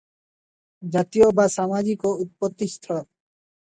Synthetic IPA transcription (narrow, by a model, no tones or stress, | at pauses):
d͡ʒat̪ijobasamad͡ʑikɔut̪̚pɔt̪ːist̪ʰɔ